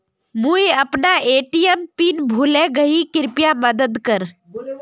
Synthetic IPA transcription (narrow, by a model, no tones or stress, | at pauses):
mujəpnaʔeːʈijəmpiːnbʱulẽɡəikɪɾpjaməd̪əd̪kəɾ